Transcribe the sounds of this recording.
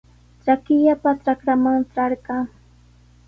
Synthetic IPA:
t͡ʃakɪʎapaʈ͡ʂakɾamaŋʈ͡ʂɑɾɢɑ

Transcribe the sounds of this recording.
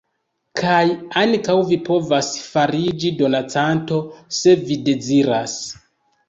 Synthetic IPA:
kʰajaŋkawvipʰo̞vasfaɾid͡ʒido̞nat͡santo̞se̞vide̞ziɾas

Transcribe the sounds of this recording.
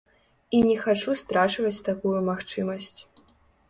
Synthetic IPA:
inʲɛxat͡ʂust̪ɾat͡ʂvɐt͡sʲt̪akujumaxt͡ʂɨmɐsʲt͡sʲ

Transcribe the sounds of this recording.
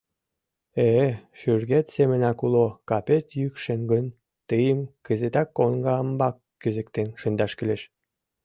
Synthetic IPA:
eʃyrɣet̪semə̆nɑkulokɑpet̪jykʃeŋɡən | t̪əjəmkə̆zet̪ɑkːoŋɡɑəmbɑkːyzɘ̆kt̪enʃɯnd̪ɑʃkyleʃ

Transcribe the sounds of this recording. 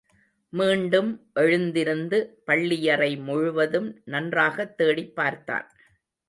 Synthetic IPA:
miːɳɖɯmʔɛɻɯnd̪ɪɾɯnd̪ɯpɐɭːɪjɐrɐɪmʊɻʊʋɐðɯmnɐndraːɣɐt̪ːeːɽɪpːaːɾt̪a̰ːn

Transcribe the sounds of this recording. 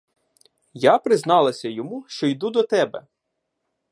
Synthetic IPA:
japɾɪznɑlˠɐsʲɐjɔmuʃt͡ʃɔjd̪ud̪ɔt̪ɛbɛ̰

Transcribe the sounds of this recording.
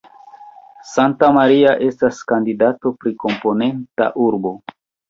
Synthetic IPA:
santamaɾiaʔe̞staskandidato̞pɾiko̞mpo̞ne̞nta̰ʔuɾbo̞

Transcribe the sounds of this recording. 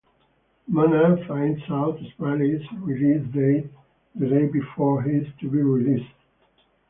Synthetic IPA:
manafãɪ̃ndsaʊtəsmalizɹilisdeɪ | ðədeɪbifɔɹɦistʰubiɹilist

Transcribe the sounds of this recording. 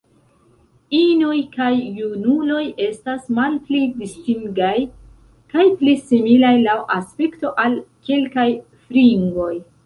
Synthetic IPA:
ino̞jkajːunulo̞je̞stasmalplidistiŋɡaj | kajplisimilajlawʔaspekto̞ʔalke̞lkaj | fɾiŋɡo̞j

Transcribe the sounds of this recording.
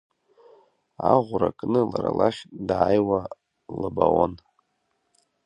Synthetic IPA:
aʁʷʊɾakʼnɨlaɾalaχʲdaːjwa | lɨbawon

